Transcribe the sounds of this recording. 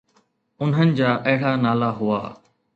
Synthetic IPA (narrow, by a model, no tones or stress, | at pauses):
ʊnɦənɪ̆d͡ʑaːʔɐɦɪɽaːnaːlaɦʊa̰ː